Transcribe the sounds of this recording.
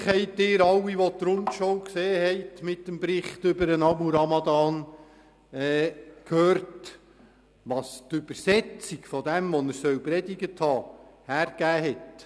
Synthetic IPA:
χhɛɪtɪːɾɑwːiʋɔt̪ɾʊntʃowkseːhɛɪtmɪtːəmbɾɪχtʏbəɾənɑmuɾɑmɑd̪ɑːn | ɛːkʰhøːɾt | ʋɑst̪ʏbəɾsɛt͡siɡfɔd̪ɛmʋɔnəɾsœwpɾɛdiɡəthɑːhæːɾɡ̥æːɦɛt

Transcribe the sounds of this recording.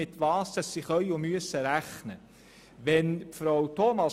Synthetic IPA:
ɪt̪ʋɑːstəsːiχœʏʊmyəsːəɾæχnə | ʋɛnpfɾowt̪ʰomɑ

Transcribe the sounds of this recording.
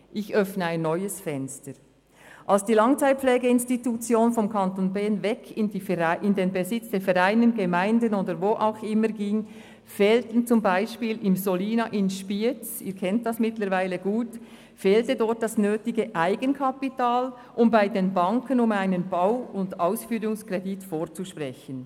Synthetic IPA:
ʔɪçœfnəaɪnːɔʏəsfɛnstəɾ | ʔalsd̥iːlɑŋt͡saɪt̚pflɛːɡəɪnstitut͡sjoːnfɔmkʰɑntoːnbɛːnvɛkʰɪndiʔɪndeːnbəzɪt͡sd̥ɛːfɛɾaɪnənɡəmaɪndənoːdəɾvoːʔaʊxɪməɾɡiːŋ | fɛːltn̩t͡sʊmbaɪʃpiːlɪmzoliːnaʔɪnʃpit͡sḭːkʰɛnt̚d̥ɑsmɪtləɾvaɪləɡuːt | fɛːltədɔɹt̚d̥ɑsnøːtɪɡəʔaɪɡənkʰɑpitaːl | ʔʊmbaɪdeːnbɑŋkʰənʊmaɪnənbaʊʊndaʊsfyːɾʊŋskrɛditfoːɹt͡suʃpʁɛçən

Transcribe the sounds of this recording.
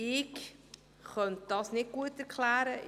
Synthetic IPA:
ɪk | χœnt̚d̥ɑːsnɪt̚ɡ̥uətɛɾkχlæːɾə

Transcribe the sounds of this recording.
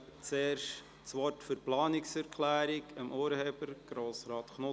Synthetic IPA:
t͡seːɾʃ | t͡sʋɔrtfyɾplɑːnɪksɛɾkʰlæːɾɪkəmʔuːɾheːbəɾɡ̥ɾoːsɾɑːt̪χnʊ

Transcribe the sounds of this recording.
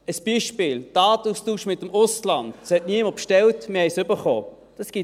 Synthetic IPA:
əsb̥iːʃpɪːld̥ɑːtustuːʃmɪtəmʊslɑnd̥sɛtniəməpʃtɛltmɪhɛjsʏbəχo̰ː | d̥ɑsɡ̥i

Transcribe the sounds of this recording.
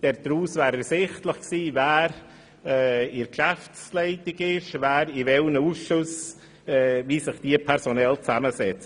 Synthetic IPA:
d̥ɛɾd̥ɾuːsvæːɾəsɪχtləχksiːvæːɾ | ɛɪɾkʃæft͡slɛɪtɪɡɪʃvæːɾivɛlənəuːsʃʊs | ɛːviːsɪχd̥iːəpʰɛɾsonɛlt͡saməsɛt͡sə

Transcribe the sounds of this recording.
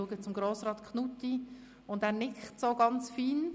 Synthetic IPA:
uəɡət͡sʊmɡɾoːsrɑːtkχnuti | ʊndæːɾnɪkχtsoːɡɑnt͡sfiːn

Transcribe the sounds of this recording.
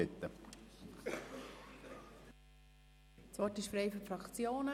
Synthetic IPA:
ɪt̪ːə | t͡sʋɔrtɪʃfɾɛɪfɔfɾɑkt͡sjoːnə

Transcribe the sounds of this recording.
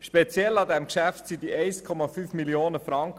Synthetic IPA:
ʃpet͡sjɛlɑd̪ɛmkʃæftsid̪iʔɛɪskʰɔmɑfyːfmilioːnəfɾɑŋk

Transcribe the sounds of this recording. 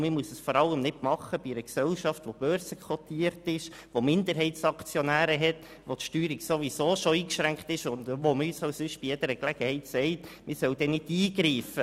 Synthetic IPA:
mɪɾmuəsəsfɔɾɑlːəmnɪdmɑχəb̥iɛɾəksɛlʃɑftʋob̥œːɾsəkʰɔtiəɾtɪʃ | ʋomɪnd̪əɾɦɛɪtsɑkt͡sjɔnæːɾəɦɛt | ʋotʃtyːɾiksoʋisoːʃoiːkʃɾæŋkt̪ɪʃʊnd̪ʋoməyːsɑʊsʏʃb̥ijed̥əɾəklɛɡ̥əhɛɪtsɛɪtmɪɾsœwd̥ɛnɪdiːɡɾiːfə

